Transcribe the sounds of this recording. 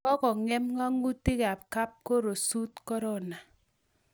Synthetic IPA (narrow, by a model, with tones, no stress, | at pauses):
ɔ˦kɔ˨ŋɛ˦mŋa˦ŋu˦tɪ˦ka˨p̚ka˦p̚ko˦ɾo˨su˦t̚kɔ˦ɾɔ˦˨na˨